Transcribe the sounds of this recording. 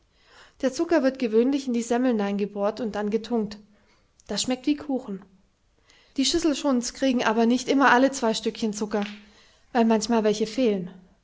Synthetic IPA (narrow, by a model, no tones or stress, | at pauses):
d̥eːɐt͡sʊkɐvɪɐtɡ̥əvøːnlɪçɪndiːzɛml̩naɪnɡəboːɐtʊnt̚d̥anɡətʰʊŋk̚t | d̥asʃmɛk̚tv̥iːkʰuːxn̩ | d̥iːʃʏsl̩ʃʊnskʁ̥iːɡŋ̩ʔaːbɐnɪçtʔɪmɐʔalət͡sv̥aɪʃtʏkçənt͡sʊkɐ | vaɪlmançmaːlvɛlçəfeːlən